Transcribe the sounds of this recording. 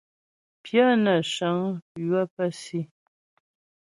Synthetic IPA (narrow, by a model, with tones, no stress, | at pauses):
pja˦na˨ʃa˨˦ŋ˦pa˦pa˦si˦˨